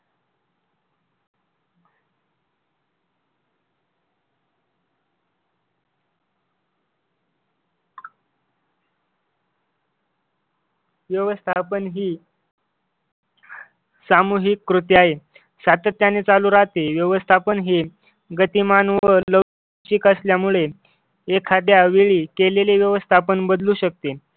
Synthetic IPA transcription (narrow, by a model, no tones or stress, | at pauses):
ʋjəʋəst̪ʰapənɦiː | samuɦikːɾut̪jaɦe | sat̪ət̪janet͡saluːɾaɦt̪eʋjəʋəst̪ʰapənɦiː | ɡət̪imanʋələ | t͡ɕikəsljamuɭe | ekʰad̪jaʋiɭiːkeleleʋjəʋəst̪ʰapənbəd̪luːɕək̚t̪e